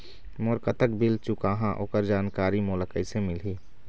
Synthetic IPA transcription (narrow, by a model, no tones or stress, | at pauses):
moːɾkət̪əkbɪlt͡ʃʊkaːɦãʔo̰ːkəɾd͡ʒaːnkaːɾimoːləkəɪsemɪlɦiː